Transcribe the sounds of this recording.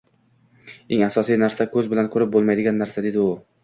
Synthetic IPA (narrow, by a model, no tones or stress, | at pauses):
e̞ŋasɒsijnaɾsakʰɵzbɪlankʰɵɾɪp̚bolˠmajd̪ɪɡʲanːaɾsad̪e̞d̪ɪʊ